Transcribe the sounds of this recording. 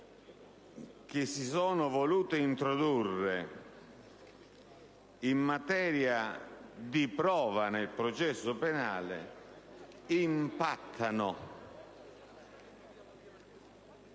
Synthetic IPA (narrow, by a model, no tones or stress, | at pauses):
k̟ɪsːisɔːnʊvoluːt̪ɪint̪ɾɔd̪urːɪ | imːat̪ɛːɾjad̪ipɾɔːvanelpɾɔt͡ʃɛsːʊpɛnaːlɪ̰ | impat̪ʰːanʊ